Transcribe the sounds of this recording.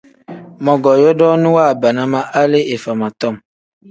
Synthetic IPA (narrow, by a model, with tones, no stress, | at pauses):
mɔ̃˨ɡɔ˨jɔ˦dɔ˦nũ˦wa˦˨ba˨nã˦mã˦ʔa˦le˦e˨fa˨mã˨t̪ɔ˦˨m